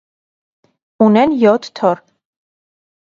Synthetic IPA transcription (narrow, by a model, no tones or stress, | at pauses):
unɛnjɔt̪ʰt̪ʰɔɾ